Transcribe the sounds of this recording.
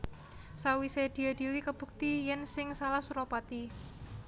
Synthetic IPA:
sawised̪̥i̤ad̪̥i̤likəb̥ṳk̚t̪ijɛnsɪŋsalahsuɾopat̪i

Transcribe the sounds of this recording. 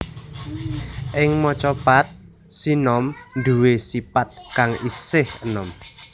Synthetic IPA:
ʔɪŋmɔt͡ʃɔpat̪̚ | sinɔmd̪uwesipat̪̚kaŋisɪhənɔm

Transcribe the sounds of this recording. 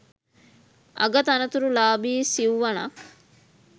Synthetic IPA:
ʔɐ̰ɡɐt̪ɐnɐt̪uɾulaːbiːsiuʋɐna̰

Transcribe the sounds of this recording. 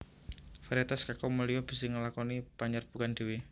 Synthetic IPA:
faɾiat̪askakɔməliɔb̥isiŋəlakɔnib̥aɲarb̥ukandiwi

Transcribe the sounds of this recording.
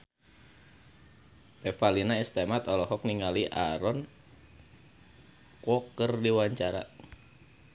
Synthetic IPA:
pɛfalinaist̪emat̪ɔlɔɦɔk̚niŋaliʔaɾɔn | kɔkərdiwaɲt͡ʃaɾa̰

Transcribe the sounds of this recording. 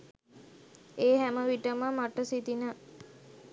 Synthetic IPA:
eːɦæməʋiʈəməmaʈəsit̪inə

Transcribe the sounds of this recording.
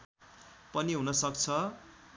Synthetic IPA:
pʌniɦunʌsʌkt͡sʰʌ

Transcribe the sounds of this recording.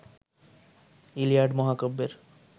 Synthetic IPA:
ilijaɖmɔɦakobːeɾ

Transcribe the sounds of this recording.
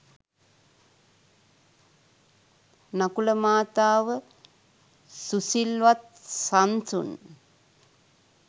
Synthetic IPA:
nakuləmaːt̪aːʋə | susilʋat̪̚ | sansṵn

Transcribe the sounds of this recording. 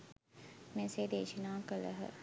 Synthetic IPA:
mẽseːd̪eːʃinaːkələ̰ɦə̰

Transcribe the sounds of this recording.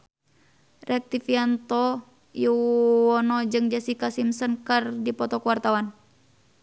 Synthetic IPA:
rʔɛk̚t̪ifiant̪ɔ | juwɔnɔd͡ʒɨŋd͡ʒasikasimsɔnkərdipɔt̪ɔkuwart̪awan

